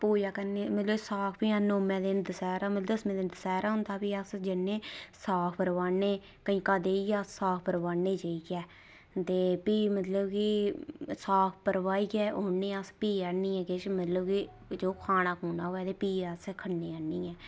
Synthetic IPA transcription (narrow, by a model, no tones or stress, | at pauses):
poːjaːkəɾneːmət̪ləsaːkʰpiːaːnoːmɛ̃ːd̪eːnd̪əsɛːɾaːmət̪ləəsmẽːd̪eːnd̪əsɛːɾaːɦʊ̃nd̪aːpiːəsd͡ʒɪnːẽːsaːkʰpəɾʋaːneː | kəĩːkaːd̪eːiɡaːsaːkʰpəɾʋaːneːd͡ʒaːiːkɛː | t̪eːpiːmət̪ləbki | saːkʰpəɾʋaːiːɡɛːʔoːnːẽːəspiːənːĩːɛ̃ːkeʃmət̪ləbki | d͡ʒoːkʰaːnãːkuːnaːɦoːɛːd̪eːpiːəskʰənːeːənːiːɛː